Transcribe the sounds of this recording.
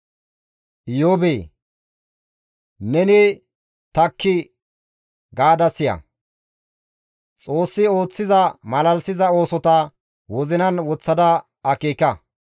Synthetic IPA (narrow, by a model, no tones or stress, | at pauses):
ʔɪjoːbeː | nɛnɪ | t̪ɐkʰːɪ | ɡaːd̪ɐsɪjɐ̰ | t͡sʼo̞ːsːɪo̞ːt͡sːɪzɐmɐlɐlsɪzɐo̞ːsɔt̪ɐ | wɔzɪnɐnwɔt͡sːɐd̪ɐ | ɐkeːkɐ